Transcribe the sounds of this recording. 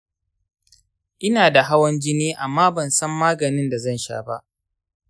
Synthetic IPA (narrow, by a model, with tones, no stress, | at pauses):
ʔɪ˦naː˨da˨ɦa˦wɐ˦nd͡ʒɪ˦niː˦ʔa˨mːaː˦bɐ˨nsɐ˦mːaː˦ɡɐ˨nɪ˦nda˨zɐ˦nʃa̰ː˦ba̰˦ʔ